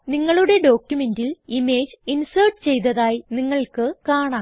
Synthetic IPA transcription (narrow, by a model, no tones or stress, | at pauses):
niŋːɐɭuɽe̞ɖo̞ːkjume̞ndilime̞ːd͡ʑinsɐrʈɨt͡ɕe̞jt̪̬ɐðaːjiniŋːɐɭkɨkaːɳaːm